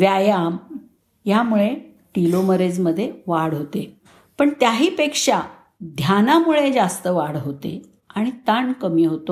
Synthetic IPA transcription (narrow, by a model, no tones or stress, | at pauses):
ʋjajam | jamuɭe | ʈiloməɾed͡zməd̪ʱːjeʋaɽɦot̪e | pəɳt̪jaɦiːpekʂa | d̪ʱjanamuɭed͡zast̪əʋaɽɦot̪ḛ | aɽ̃it̪ankəmiːɦot̪o